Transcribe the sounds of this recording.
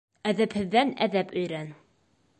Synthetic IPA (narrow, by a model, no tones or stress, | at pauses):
æðæphɘ̆ðːænæðæpɵ̆jɾæn